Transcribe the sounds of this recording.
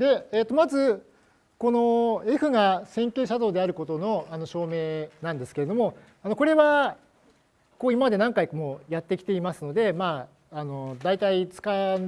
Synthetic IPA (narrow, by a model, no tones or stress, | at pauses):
d̪e̞eːt̪ːomazɨ | ko̞no̞e̞ɸɯ̟ɡasẽ̞ŋkʲe̞ːɕad̪o̞ːd̪e̞aɾɯ̟ko̞t̪o̞no̞ano̞ɕo̞ːme̞ːnãnd̪e̞sɨ̥keɾe̞d̪o̞mo̞ | ano̞ko̞ɾe̞βa | ko̞ːimamad̪e̞nãŋkaikmoːjat̪ːe̞kʲi̥t̪e̞imasɨno̞d̪e̞maː | no̞d̪ait̪ait͡sɨ̥ka